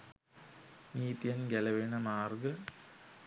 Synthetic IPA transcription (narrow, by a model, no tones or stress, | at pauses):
niːt̪jɐnɡɐlɐʋeɳɐmaːrɡɐ